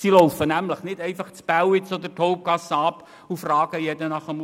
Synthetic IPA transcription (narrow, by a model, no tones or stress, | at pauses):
siloʊfənæmləχnɪdɛɪfɑχt͡spæwɪt͡sɔd̪ətʰoʊp̚ɡ̥ɑsɑp | ufrɑːɡ̥əjɛdənɑχəm